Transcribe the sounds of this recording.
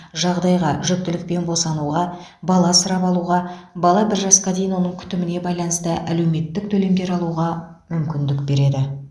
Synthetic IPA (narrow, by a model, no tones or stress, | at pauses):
ʒɑʁd̪ɑjʁɑʒʏk̚t̪ɪlɪk̚pe̞nbo̞sɑnuʁɑ | bɑlˠɑsəɾɑpɑlˠuʁɑbɑlˠɑbɪɾʒɑsqɑd̪e̞jɪnwo̞nəɴkʲʰʏ̥t̪ɪmɪne̞bɑjlˠɑnəst̪əʔæle̞wme̞t̪ːɪk̚t̪ʰɵle̞md̪e̞ɾɑlˠuʁɑ | mʏmkʲɪnd̪ɪkbe̞ɾe̞d̪ɪ